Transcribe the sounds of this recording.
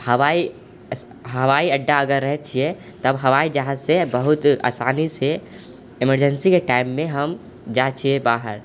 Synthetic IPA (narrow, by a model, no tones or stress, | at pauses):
həʋaːi | ɦəʋaːiɐɖːaɐɡəɾːɛɦt̪t͡ʃʰiɛ | t̪əbɦəʋaːid͡ʒəɦãzsebəɦʊt̪a̰ːsaːnise | ɪməɾd͡ʒənsikeʈaːɪmːẽɦəm | d͡ʒaːt͡ʃʰiebaːɦə̰ɾ